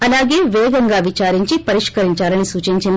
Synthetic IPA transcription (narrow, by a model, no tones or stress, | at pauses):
ɐlaːɡe̞ːʋɛːɡɐŋɡaːʋit͡ʃaːɾiɲt͡ʃipɐɾiʂkɐɾiɲt͡ʃaːlɐnisuːt͡ʃiɲt͡ʃind̪